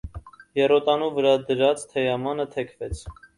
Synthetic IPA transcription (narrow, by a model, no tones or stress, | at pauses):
jɛrɔt̪ɑnuvəɾɑd̪əɾɑt͡st̪ʰɛjɑmɑnət̪ʰɛkʰvɛt͡sʰ